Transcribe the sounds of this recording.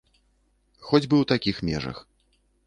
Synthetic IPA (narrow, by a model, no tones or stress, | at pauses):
xɔd͡zʲbɨwt̪akʲixmʲɛʐɐ̰x